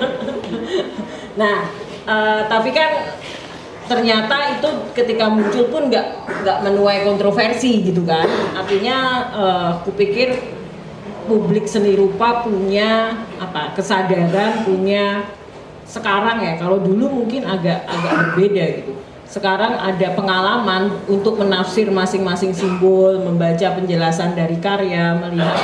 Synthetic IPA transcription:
nah | əːt̪apikan | t̪ərɲat̪ait̪ukət̪ikamuɲt͡ʃʊlpʊnɡaʔŋɡaʔmənuajkɔnt̪ɾofersiɡit̪̬ukanart̪iɲaəkupikɪr | publɪk̚səniɾupapuɲaapakəsadaɾanpuɲa | səkaɾaŋjakalodulumuŋkɪnaɡaʔaɡaʔbərbedaɡit̪u | səkaɾaŋa̰dapəŋalamanunt̪ʊk̚mənafsɪrmasɪŋmasɪŋsimbɔlməmbat͡ʃapəɲd͡ʒəlasandaɾikaɾeaməliɦat̪̚

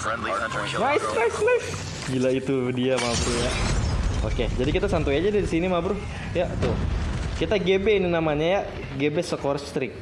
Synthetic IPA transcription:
najsnajslajf | d͡ʒilait̪udiamabɾuja | o̰ked͡ʒadikit̪asant̪ujad͡ʒadaɾisinimabɾʊ | jat̪ʊkit̪aɡebeininamaɲaja | ɡebesəkoɾɛt̪ɾɪk̚

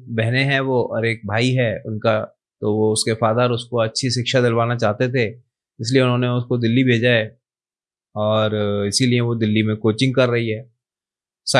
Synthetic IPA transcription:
bɛɦneɦɛ̃ʋoɔ̰ːɾeːk̚bʱaːiɦɛʊnka | t̪oʋoʊskefaːd̪aɾʊskoɐtːʃʰiʃɪkʃad̪ɪlʋaːnat͡ʃaːɦt̪et̪ʰe | ɪslieʊnɦõːneʊskod̪ɪlːibʱeːd͡ʒae | ɔːɾɪsilieʋod̪ɪlːimẽkoːt͡ʃɪ̃ŋɡ̚kɐɾːɐɦiɦɛː | sa

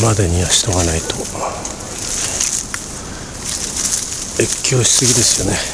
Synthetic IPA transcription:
mad̪eɲ̟iβaɕi̥t̪o̞ɡanait̪o̞ | ekʲːo̞ːɕi̥sɨɡʲid̪e̞sɨjo̞ne̞

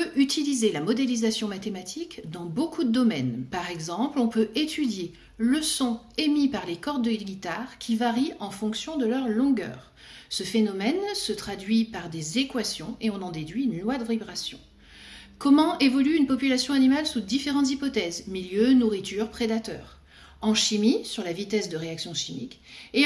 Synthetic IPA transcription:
pøʔyt̪ilizelamɔd̪elizasjɔ̃mat̪emat̪ʰikd̪ɑ̃bokʰud̪əd̪ɔmɛnpaʁɛɡzɑ̃plɔ̃pøʔet̪ʰyd̪je | ləsɔ̃ | emipaʁlekɔʁd̪əɡʲit̪aʁkʲʰivaʁiɑ̃fɔ̃ksjɔ̃d̪əlœʁlɔ̃ɡœ̰ːʁ | səfenɔmɛnsət̪χad̪ɥipaʁd̪ezekwasjɔ̃eɔ̃nɑ̃d̪ed̪ɥinlwad̪əvibʁasjɔ̰̃ | kɔmɑ̃ʔevɔlyynpɔpylasjɔ̃animalsud̪ifeʁɑ̃t̪zipɔt̪ɛzmiljønuʁit̪ʰyʁpχed̪at̪œ̰ːʁ | ɑ̃ʃimisyʁlavit̪ɛsd̪əʁeaksjɔ̃ʃimḭke

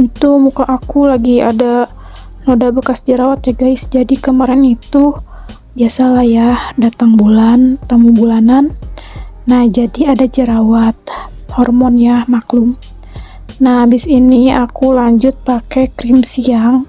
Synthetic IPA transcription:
it̪umukaʔakulaɡiada | nodabəkasd͡ʒəɾawat̪̚jaɡaɪsd͡ʒadikəmaɾɛnit̪u | biasalajahdat̪aŋbulant̪amubulananː | ahd͡ʒadiadad͡ʒəɾawat̪̚ | hɔrmɔnjahmaklum | nahbɪsiniakulaɲd͡ʒʊt̪̚pakɛkɾimsiaŋ

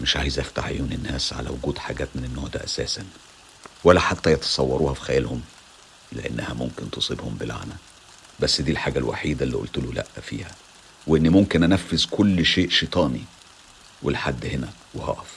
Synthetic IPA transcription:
mɪʃʕaːjzʔæft̪aħʕḛjuːnenːæːsʕa̰læ̰wʊɡuːd̪ħaɡæːt̪mɪnenːoʕd̪æ̰ːʔæsæːsæn | wælːæħat̪ːæjɑt̪ɑ̥sˤɑwːɑɾˤuːhɑfi̥xæjælhʊm | leʔḛnːæhæmʊmkɪnt̪osˤibhombɪlʕa̰næ | bæsːd̪iːlħaːɡælwa̰ħiːd̪ælːḭʔo̰lt̪ʊlulæ̰ʔːfḭːhæ | weʔenːmomkɪnʔænæfːezkolːʃeːʔʃet̪ˤɑːni | wʔelħad̪ːhenæ | wehɑ̰ʔæf

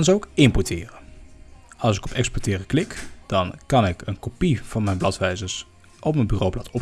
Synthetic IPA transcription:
nzowkɪmpɔtɪːrə | ɑlˠsɪkɔpɛkspɔtɪːrəklɪkd̥ɑnkɑnɪkənkopiv̥ɑnmɛjnblɑtʋɛjzəɹs | ʔɔpmənbyːrowblɑtʰɔp

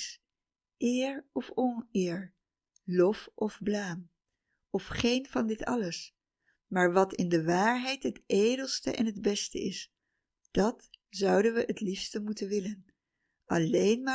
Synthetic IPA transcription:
s | ʔɪːɹɔfɔnɪːɹ | lɔfʔɔvblaːm | ɔfχejnvɑndɪtɑ̰ləs | maːɹʋɑtɪndəʋaːɹɦɛjtɦətejdəlˠstəʔɛ̰nɦəd̚bɛstə̰ɪs | d̥ɑtz̥ʌwdənʋəʔətlifstəmutənʋɪlən | ʔɑlejnmaː

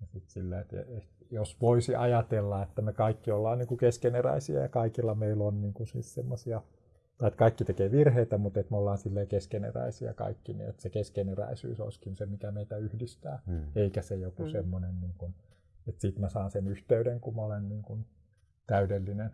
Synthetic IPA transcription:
jɑsit̪silːæet̪ḛet̪ | josʋoisiʔɑjɑt̪elːɑet̪ːæmekɑikːiolːɑːnniːŋkukeskeneræ̰isiæ̰jɑ̰kɑikilːɑmeilonniːŋkunsḭːssemːosiɑ | t̪ɑiet̪kɑikːit̪ekeːʋirheit̪æmut̪et̪molːɑːnsilːeːkeskenḛræ̰isiɑ̰kɑ̰ikːinḭːḛt̪sekeskeneræ̰isy̰ːso̰iskinsemikæmeit̪æyhdist̪æːeikæsejokusemːonenniːŋkun | et̪siːt̪mæsɑˑːnsenyht̪eydeŋkumolenniːŋkun | t̪æydelːinen

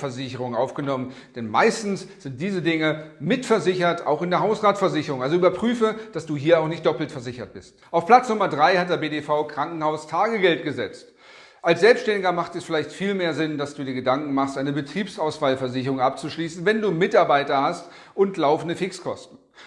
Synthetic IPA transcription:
fɛɐzɪçəʁ̞ʊŋnʔaʊfɡ̥ənɔmən | d̥ɛnma̰ɪstn̩sz̥ɪnt̚d̥iːzədɪŋəmɪtfɛɐzɪçɐta̰ʊxɪndeːɐɦaʊsʁaːtfɛɐzɪçəʁʊŋʔalzoyːbɐpʁ̥yːfəd̥asd̥uːɦiːɐaʊxnɪçt̚d̥ɔpl̩tfɛɐzɪçɐt̚b̥ɪstʔaʊfpl̥at͡snʊmɐdʁaɪhat̚d̥eːɐbeːdefaʊkʁ̥aŋkŋ̩haʊstʰaːɡəɡɛlt̚ɡ̥əzɛt͡st | ʔalsz̥ɛlpstʃtɛndɪɡɐmaχtɛsfɪlaɪçtfiːlmeːɐzɪndasd̥uːdiːɐɡədaŋkŋ̩maχstʔaɪnəbətʁ̥iːpsaʊsfaːlfɛɐzɪçəʁʊŋʔap̚t͡suʃliːsn̩vɛnduːmɪtaɐbaɪtɐhast | ʔʊntlaʊfn̩dəfɪkskʰɔstn̩

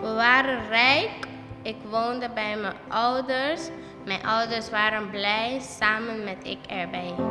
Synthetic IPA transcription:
ʋəʋaːɾənrɛjk | ɪkʋondəbɛjməʔɔwdəɹs | mɛjnʔɔwdəɹsʋaːɾənblɛjsaːmənmɛtɪ̰kɛɹbɛj

